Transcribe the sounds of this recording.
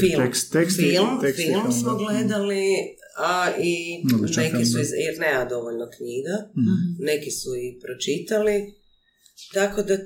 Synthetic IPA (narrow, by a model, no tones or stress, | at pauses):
filekseksflˠmkfilˠmsmoɡled̪ali | ainekkisuizjeɾne̞ːmad̪o̞ʋoʎnokɲiɡane̞kisuipɾot͡ʃit̪ali | t̪ako̞d̪a